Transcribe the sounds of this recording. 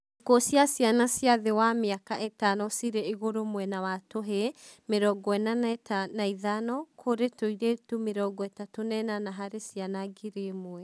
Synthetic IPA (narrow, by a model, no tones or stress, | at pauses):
ekosjasianasjaðewameakaʔetanɔsiɾeeɣoɾomwɛnawatoɦemeɾɔɡɔɛnannaiðanɔkʰoɾetoiɾetumeɾɔɡɔɛtatonɛnanaɦaɾesianaɡiɾemoɛ